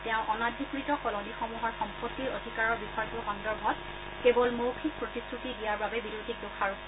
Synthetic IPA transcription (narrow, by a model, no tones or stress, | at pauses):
tɛʊ̃ʔɔnadʱikɹitɔkɔlɔnixɔmuɦɔɹxɔmpɔtːiɹodʱikaɹɔɹbixɔɹɡoxɔndɔɹbʱɔt̚ | kebɔlmowkʰik̚pɹɔtistʰɹutiɡijaɹbabɛbidotik̚dukʰaɹu